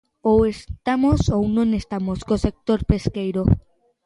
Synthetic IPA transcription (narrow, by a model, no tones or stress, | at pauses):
owest̪amosownõnest̪amoskosek̚t̪oɾpeskejɾo